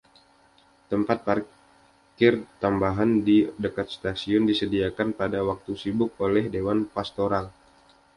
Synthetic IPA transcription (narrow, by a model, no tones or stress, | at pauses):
t̪əmpat̪̚par | kɪrt̪ambaɦandidəkat̪̚st̪asiʊndisədiakanpadawak̚t̪usibʊk̚olɛhdewanpast̪oɾal